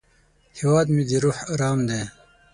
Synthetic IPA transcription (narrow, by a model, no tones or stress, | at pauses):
hiwaːd̪mid̪iɾuħaɾɑːmd̪eː